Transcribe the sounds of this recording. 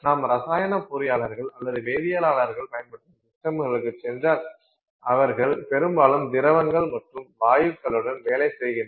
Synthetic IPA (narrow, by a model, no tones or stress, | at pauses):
naːmɾɐsaːjɐnɐpːʊɾɪjaːɭɐɾɣɐɭɐlːɐðɯʋeːðɪjaːlaːɭɐɾɣɐɭpɐjɐnpɐʈːɯmsɪʈːɐmɯɣɐɭɯkːɯt͡ʃːɛndrɐ | ɐʋɐɾɣɐɭpɛɾɯmbaːlɯmd̪ɪɾɐʋɐŋɡɐɭmɐʈrɯmʋaːjɯkːɐɭɯɽɐnʋeːlɐɪsɛjɣɪn